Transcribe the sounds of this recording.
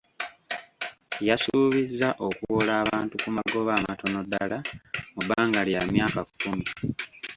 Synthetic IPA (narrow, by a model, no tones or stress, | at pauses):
jasuːβizːaʔo̞kuwolaːβaːntukumaɡo̞βaːmato̞no̞dːa̰lamubaːŋɡaljamjaːkakumi